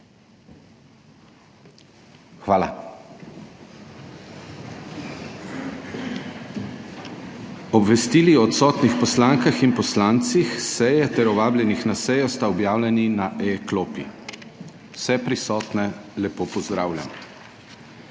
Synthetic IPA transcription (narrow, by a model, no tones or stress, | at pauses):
xʋaːla̰ | ɔbʋɛst̪iːliɔt̪sɔːt̪nixpɔslaːŋkaxinpɔslaːnt̪sixsɛjɛt̪ɛɾɔʋaːbljɛnixnasɛjɔst̪aɔbjaːwlʲɛninaʔɛkloːpḭ | w̥sɛpɾisɔːt̪nɛlɛpoːpɔzd̪ɾaːwlʲja̰m